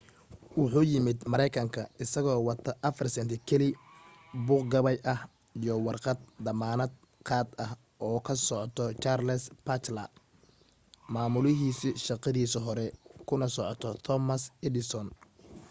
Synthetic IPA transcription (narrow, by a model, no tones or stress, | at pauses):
wɑħuːjɪmɪd̪mɐɾɛjkʰɐŋkʰɐɪsɐɣɔːwɑt̪ʰɐʔɐfɐrsɐnt̪ʰɪkʰɛlɪ | bʊːqɡɐβɐjʔɐh | ijɔwɑrqɑd̪̚d̪ɐmaːnɐd̪̚ | qɑːd̪ɐh | ʔɔːkʰɐsɔʕɔt̪ʰɔt͡ʃaːrlɛspʰɐt̪lɐ | maːmʊlɪɦiːsʃɑqɑðiːsɔɦɔɾɛkʰʊnɐsɔʕɔt̪ʰɔt̪ʰɔmɐsɛd̪ɪsɔn